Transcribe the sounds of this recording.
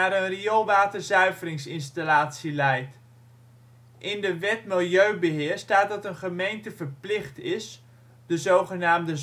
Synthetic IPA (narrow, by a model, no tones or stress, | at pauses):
aːɾənriolˠʋaːtərzœɥvərɪŋsɪnstalaːtsilɛjt | ʔɪndəʋɛtmɪlˠjøɥbəɦɪːɹstaːt̚dɑtənχəmejntəvəɹplɪχtɪs | d̥əzowχənaːmdəz